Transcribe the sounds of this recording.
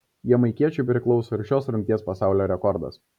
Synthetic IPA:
jiɛmɐɪkʲiɛt͡ʃʲʊɪpʲɾʲɪklˠɒʊsoːɪɾʃʲoːsɾʊŋʲkt̪ʲiɛspɐsɑˑʊlʲoːɾʲɛkɔɾd̪ɐ̰s

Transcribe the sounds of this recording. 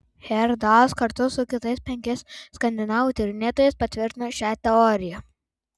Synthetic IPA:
hʲɛɾd̪ɑskɐɾt̪ʊsʊkʲɪt̪ɐɪspʲɛŋʲkʲɛsskɐnʲd̪ʲɪnɑːʋʊt̪ʲɪɾʲnʲeːt̪oːjɛɪspɐt̪ʲʋʲɪɾʲt̪ʲɪnoʃʲæːt̪ʲɛɔːɾʲɪjɛ

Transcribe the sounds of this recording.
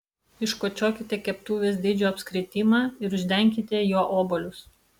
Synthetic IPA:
ɪʃkoːt͡ʃʲoːkʲɪt̪ʲɛkʲɛpt̪uːʋʲeːsd̪ʲiːd͡ʒʲoːɐpʲsʲkɾʲɪt̪ʲiːmɑːɪɾʊʒʲd̪ʲɛŋʲkʲɪt̪ʲɛjoːʔoːbolʲʊs

